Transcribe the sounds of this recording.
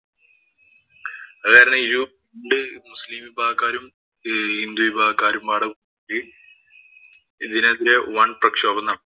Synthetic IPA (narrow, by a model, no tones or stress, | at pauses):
ɐkːaːɾɐɳɨiɾupiɳɖɨmuslimibʱaːɐkːaːɾum | hind̪uibʱaːkːaːɾumaːɽɐku | li | iðineðiɾewɐɳprɐkʂoːbɐnːɐ